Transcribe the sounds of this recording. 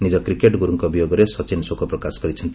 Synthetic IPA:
nid͡ʒɔkɾikeʈɡuɾuŋkɔbijoɡɔɾesɔt͡ʃinsokɔpɾɔkasɔ̥kɔɾit͡ʃʰɔnt̪

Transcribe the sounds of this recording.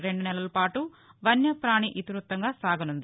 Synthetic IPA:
ɾe̞ɳɖunɛlɐlɐpaːʈu | ʋɐnjɐpɾaːɳiʔit̪ɾut̪ːɐŋɡaːsaːɡɐnund̪i

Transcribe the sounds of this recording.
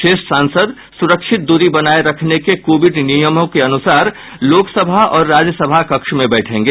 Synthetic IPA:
ʃeːʃsãːnsəd̪ | sʊɾəkʃʰɪt̪̚d̪uːɾibɐnaːeɾɐkʰnekekoːʋɪɖnijəmõkeɐnʊsaːɾ | loːksəbʱaɔːɾːaːd͡ʒjəsəbʱakɐkʃmẽbɛːʈʰẽːŋɡeː

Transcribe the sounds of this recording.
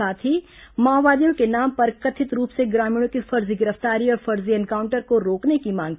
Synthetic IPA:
aːt̪ʰɦi | maːʋaːd̪ijõkenaːmpɐɾkət̪ʰɪt̪ɾuːpseɡɾaːmĩːɽ̃õkifɐɾziɡɪɾəft̪aːɾiɔːɾfɐɾziɛnkaːʊ̃ɳʈəɾkoɾoːknekimãːŋ

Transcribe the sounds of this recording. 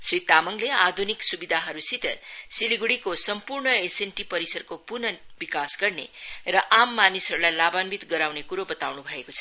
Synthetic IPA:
srit̪amʌŋlead̪ʱuniksubid̪ʱaɦʌɾusit̪ʌ̰rsiliɡuɽikosʌmpurnʌesenʈipʌɾisʌrkopurnʌbikasɡʌrnerʌʔamːanisɦʌɾulajlabanbit̪ɡʌɾawnekuɾobʌt̪awnubʱʌekot͡sʰʌ

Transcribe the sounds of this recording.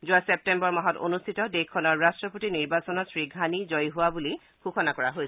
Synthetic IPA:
zʊasep̚tɛmbɔɹmaɦɔto̰nustʰitɔdekʰːɔnɔɹɹastɹɔpotiniɹbasɔnɔsɹiɡʱanizɔjɦuwabuli | xuxʰɔnakɔɹaɦojsɛ

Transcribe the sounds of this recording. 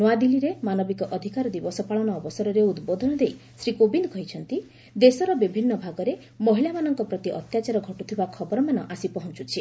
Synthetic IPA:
nɔad̪iliɾemanɔbikɔʔɔd̪ʱikaɾɔd̪ibɔsɔpaɭɔnɔːbɔsɔɾɔɾeud̪bod̪ʱɔnɔd̪ej | sɾikobind̪ɔkɔɦjt͡ʃʰɔnt̪i | d̪esɔɾɔbibʱinːɔbʱaɡɔɾe | mɔɦilamanɔŋkɔpɾɔt̪iʔɔt̪jat͡ʃaɾɔɡʱɔʈut̪ʰibakʰɔbɔɾɔmanɔ̰ʔasipɔɦɔnt͡ʃut͡ʃʰi

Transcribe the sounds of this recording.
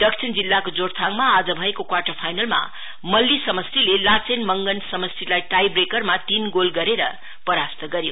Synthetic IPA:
ɖʌksʰind͡zilːakod͡zoɽt̪ʰaŋmaːd͡zʌbʱʌekokwaʈʌrpʰajnʌlma̰ | mʌlːisʌmʌst̪ilelat͡senmʌŋɡʌnsʌmʌsilajʈajbrekʌrmat̪inɡolɡʌɾeɾʌ̰ | pʌɾast̪ʌɡʌɾjo

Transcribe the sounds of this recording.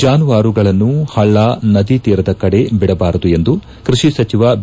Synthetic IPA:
d͡ʒaːnuʋaːɾuɡɐɭɐnːuhɐɭːanɐd̪it̪iːɾɐd̪ɐkɐɽe̞biɽɐbaːɾɐd̪ue̞nd̪u | kɾuʂisɐt͡ʃiʋɐ

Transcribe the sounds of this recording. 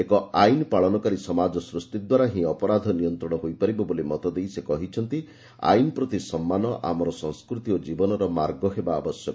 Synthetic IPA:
ekɔajnpaɭɔnɔkaɾisɔmad͡ʒɔsɾust̪id̪waɾaɦĩɔpɔɾad̪ʱɔnijɔnt̪ɾɔɽ̃ɔɦojpaɾibɔbolimɔt̪ɔd̪ejsekɔɦit͡ʃʰɔnt̪i | a̰jnɔpɾɔt̪isɔmːanɔʔa̰mɔɾɔsɔŋskɾut̪iod͡ʒibɔnɔɾɔmaɾɡɔɦebaːbɔsjɔk

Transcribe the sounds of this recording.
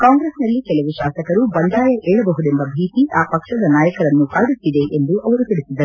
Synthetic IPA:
kaːŋɡɾesnɐlːikɛlɐʋuʃaːsɐkɐɾubɐnd̪ʱaːjɐʔeːɭɐbɐɦud̪embɐbʱiːt̪iʔaːpɐkʂɐd̪ɐnaːjɐkɐɾɐnːukaːɖut̪ːid̪e̞ʔend̪uʔɐʋɐɾut̪iɽisid̪ːɐɾu

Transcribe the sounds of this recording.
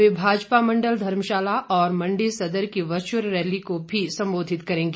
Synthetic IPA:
ebʱaːd͡ʒpamɐ̃ɳɖəld̪ʱɐɾmʃaːlaʔɔːɾmɐ̃ɳɖesɐd̪əɾkiʋɐt͡ʃəɾɾɛːlikobʱisɐ̃mboːd̪ʱɪt̪kɐɾẽːŋɡe

